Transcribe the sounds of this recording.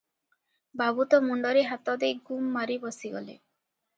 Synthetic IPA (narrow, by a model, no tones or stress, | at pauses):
babut̪ɔmuɳɖɔɾeɦat̪ɔd̪ejɡumːaɾibɔsiɡɔ̰lḛ